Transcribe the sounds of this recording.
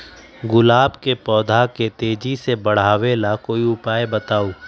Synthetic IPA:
ɡʊlaːbkepɔːd̪ʱaket̪eːd͡ʒisebɐɽ̤aːʋelakoːiʊpaːebɐt̪aːoː

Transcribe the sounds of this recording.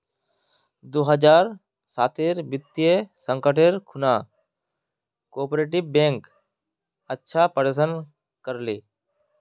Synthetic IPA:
d̪oːɦəd͡ʒaːɾ | saːt̪eːɾbɪt̪ːijesə̃ŋkəʈeːɾkʰʊnaː | koːpɾeːʈɪbːẽːŋk | ətːʃʰaːpəɖes̬ən | kəɾleː

